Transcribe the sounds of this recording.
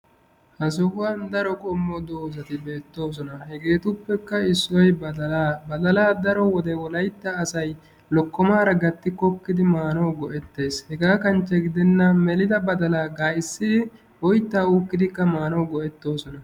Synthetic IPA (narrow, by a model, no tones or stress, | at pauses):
hɐs̬ɔhʊwɐnd̪ɐɾɔkʼɔmːɔd̪oːzɐt̪ɪbe̞ːt̪ːo̞ːs̬ɔnɐhɛɡe̞ːt̪ʊpːɛkːɐɪsːɔj | bɐd̪ɐlaːd̪ɐɾɔwɔd̪ɛwɔlɐjt̪ːɐːsɐj | lɔkːɔmaːɾɐɡɐt̪ːɪkɔkːɪd̪ɪmaːnɐwɡɔʔɛt̪ːe̞ːshɛɡaːkɐnt͡ʃːɛɡɪd̪ɛnːɐmɛlɪd̪ɐbɐd̪ɐlaːɡaːɪsːɪd̪ɪ | ɔjt̪ːaːukːɪd̪ɪkːɐmaːnɔwɡɔʔɛt̪ːo̞ːsɔnɐ